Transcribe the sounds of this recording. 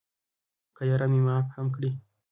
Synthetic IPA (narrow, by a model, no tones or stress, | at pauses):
kajaɾamimaphamkɽi